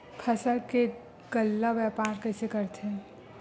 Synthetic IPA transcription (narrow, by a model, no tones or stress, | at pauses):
kʰɐsəɾke | ɡəlːaʋɛːpaːɾkɛːsekəɾt̪ɛ̃